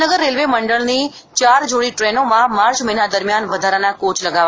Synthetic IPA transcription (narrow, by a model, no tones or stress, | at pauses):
nəɡəɾːelʋeməɳɖəɭni | t͡ʃaːɾd͡ʒoɽiʈɾenomãmaːɾt͡ʃməɦinad̪əɾmjanʋəd̪ʱaɾanakoːt͡ʃləɡaʋ